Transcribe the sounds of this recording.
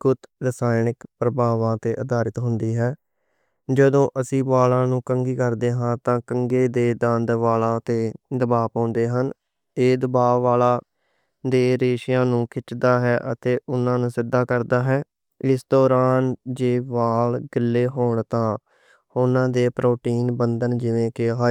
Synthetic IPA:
kʊt̪ɾəsaːɪnɪkpɾəbaːʋãːt̪eːʔəd̪aːɾɪt̪ɦʊnd̪iːɦɛː | d͡ʒəd̪õːʔəsĩːbaːlãːnũːkəŋɡiːkəɾd̪eːɦãːt̪ãːkəŋɡeːd̪eːd̪ə̃nd̪ʋaːlãːt̪eːd̪əbaːpãːʊnd̪eːɦən | eːd̪əbaːʋaːlaː | d̪eːɾeːʃɪjãːnũːkʰɪt͡ʃd̪aːɦɛːʔət̪eːʔʊnãːnũːsɪd̪ːaːkəɾd̪aːɦɛː | ɪsd̪ɔːɾaːnd͡ʒeːʋaːlɡɪlːeːɦoːɳt̪ãː | ʊnãːd̪eːpɾʔoːʈiːnbənd̪ənd͡ʒɪʋẽːkɪɦaː

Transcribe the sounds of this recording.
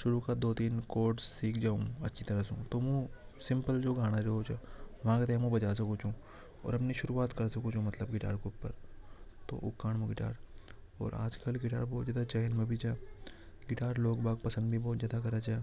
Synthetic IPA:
ʃʊɾukad̪oːt̪iːnkoːɾʈsːiːkʰd͡ʒaːũɐtːʃʰit̪ɐɾəsṵ̃t̪oːmũ | sɪ̃mpəld͡ʒoːɡʱaːɽ̃aɾoɦot͡ʃaʋɐãket̪ɛɦmũbɐt͡ʃaːs̬ɐkõt͡ʃũː | ɔ̰ːɾɐpniʃʊɾuːaːt̪kɐɾsɐkot͡ʃũmɐt̪ləbɡɪʈa̰ːɾkeʊpːəɾt̪o̰ːʔʊ̰kːaːɽmũɡɪʈa̰ːɾ | ɔ̰ːɾa̰ːd͡ʒkɐlɡɪʈaːɾbɔːt̪zaːd̪at͡ʃaːnmẽbʱit͡ʃaː | ɡɪʈaːɾloːɡbaːɡ̚pɐsə̃nd̪bʱibɔːt̪zjaːd̪akɐɾat͡ʃeː

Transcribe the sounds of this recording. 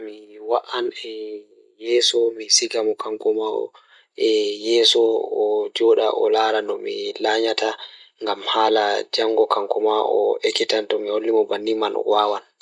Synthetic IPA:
miwaʔanɛ | jɛsɔmisiɡamɔkaŋkɔmaɔ̰ | ɛjɛsɔɔd͡ʒɔɗaʔɔ̰laːɾanɔmilaɲataŋɡamhaːlad͡ʒaŋɡɔkaŋkɔmaʔɔ̰ʔekitantɔmiholːimɔbanːimanɔ̰waːwan

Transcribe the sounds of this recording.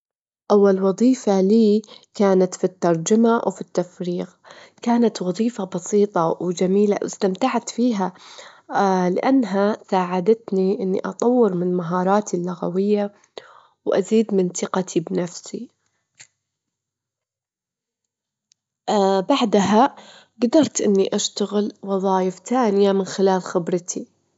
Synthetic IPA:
ʔawːalwɑðˤiːfaliːkaːnat̪fit̪ːɑɾˤd͡ʒamawfit̪ːafɾiːɣ | kaːnat̪wɑðˤiːfabɑsiːt̪ˤɑwd͡ʒamiːla̰wɪ̰st̪amt̪aʕat̪fiːɦa | lɪʔanːɦasaːʕad̪at̪niʔɪnːḭʔɑt̪ˤɑwːɪɾmɪnnmaɦɑːɾˤɑːt̪ʰilːʊɣa̰wɪjːa | wʔa̰ziːd̪mɪnt̪ɨqɑt̪ʰibnafsi | baʕd̪ɦa | ɡd̪ɑɾˤt̪ʔɪnːiʔaʃt̪aɣɪlwɑðˤɑːjɪft̪aːnɪjamɪnxɪlaːlxɪbɾɪt̪ʰi

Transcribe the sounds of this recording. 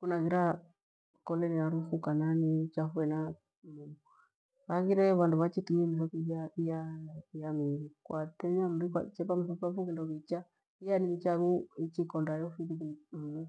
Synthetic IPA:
kunaɣiɾa | kɔlɛniaɾufukananit͡ʃafuɛna | mumu | βaɣiɾɛβanduβat͡ʃitumɛmisɔkid͡ʒaijajamiɾikwatɛɲam̩ɾika̰t͡ʃɛpam̩sɔpafukindɔβit͡ʃa | ijanimit͡ʃaβuit͡ʃikɔndajɔfiðidim̩nu

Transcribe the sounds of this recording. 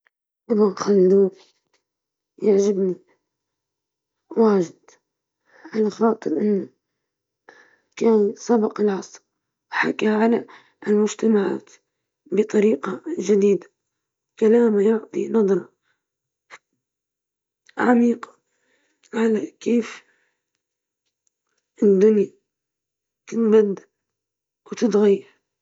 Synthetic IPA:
ʔɪbanxalːd̪uː | jaʕʒɪbni | waːʒɪd̪ | ʕalaxɑːt̪ˤɨɾʔɪnːa | kaːnsˤɑbɪqɪlʕɑsˤɾ | ħakaʕala | lmʊd͡ʒt̪amaʕa̰ːt̪ | bɨt̪ˤɑɾiːqad͡ʒɪd̪iːd̪ḁ | kalaːmajʊʕt̪ˤinɑd̪ˤɾˤɑ | ʕamiːqɑ̥ | ʕalakeːf | ʔɪnd̪ʊnja | t̪ɪt̪bad̪ːa | wt̪ɪt̪ɣajːɑɾ

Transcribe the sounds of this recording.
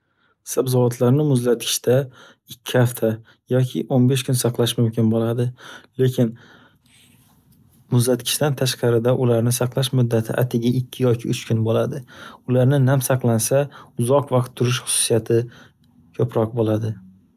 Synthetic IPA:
sabzɒvat̪ʰlaɾnɪmʊzlat̪̚kʲʰɪ̥ʃt̪a | ɪkʲʰːɪhaft̪ʰa | jɒkʲʰɪ̰ʔonbe̞ʃkʰʊnsɑqlˠaʃmʊmkʲʰɪnbolad̪ɪle̞kʲɪn | mʊzlat̪kʲʰɪ̥ʃt̪ant̪ʰaʃqɑɾɪd̪aʔʊlaɾnɪsɑqlˠaʃmʊd̪ːat̪ʰɪ̰ʔa̰t̪ʰɪɡʲaɪkʲʰːɪjɒkʲʰɪʊt͡ʃkʰʊnbolad̪ɪʊlaɾnɪnamsɑqlˠansaʊzɒqvɑqt̪ʰːʊɾɪʃχʊ̥sʊ̥sijat̪ʰɪ | kʲʰɵpɾɒq̚bolˠad̪ɪ

